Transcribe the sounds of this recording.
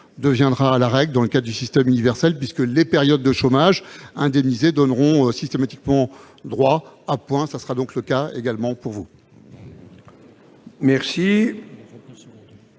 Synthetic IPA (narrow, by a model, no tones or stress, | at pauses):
d̪əvjɛ̃d̪ʁaːlaʁɛɡld̪ɑ̃ləkad̪ʁd̪ysist̪ɛmynivɛʁsɛlpɥiskəlepɛʁjɔd̪ːəʃomaʒɛ̃d̪ɛmnized̪ɔnʁɔ̃øsist̪emat̪ikmɑ̃ | d̪ʁwaapwɛ̃sasəʁad̪ɔ̃kləkaḛɡalmɑ̃puʁvu | mɛʁsi